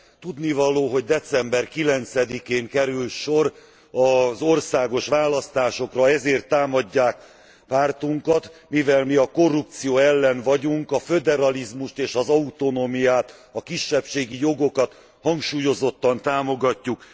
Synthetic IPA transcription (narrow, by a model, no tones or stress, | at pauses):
t̪ud̪nivɒloːɦo̞ɟd̪ɛt̪sɛmbɛrkilɛnt̪sɛd̪ikeːŋkɛɾylʃo̞r | ɒzo̞rsaːɡo̞ʃʋaːlɒst̪aːʃo̞krɒɛzeːrt̪ːaːmɒɟːaːk̚ | paːrt̪uŋkɒt̪mivɛlmiɒko̞rːup̚t̪sijoːɛlːɛnvɒɟuŋkɒfø̞d̪ɛɾɒlizmuʃt̪eːʃɒzɒut̪o̞nomijaːt̪ɒkiʃːɛpʃeːɡijo̞ɡo̞kɒt̪ | hɒŋkʃuːjo̞zo̞t̪ːɒnt̪aːmo̞ɡɒcːuk